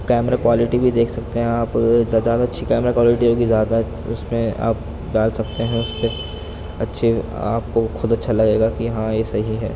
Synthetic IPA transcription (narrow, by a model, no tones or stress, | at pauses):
kɛːmɾakwaːlɪʈibʱid̪eːkʰsɐk̚t̪eɦɛ̃aːpzjaːd̪aɐtːʃʰikɛːmɾakwaːlɪʈiɦoːɡizjaːd̪aɦ | ʊsmẽa̰ːp̚ | ɖaːlsɐk̚t̪eɦɛ̃ʊspe | ɐtːʃʰe | a̰ːp̚koxʰʊd̪ɐtːʃʰalɐɡeːɡakiɦãjesɐɦiɦɛ̰ː